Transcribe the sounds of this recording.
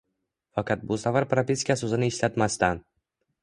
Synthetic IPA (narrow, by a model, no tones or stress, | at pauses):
fɑqɑt̪̚bʊsavaɾpɾapʲiskʲasɵzɪnɪːʃlat̪mast̪an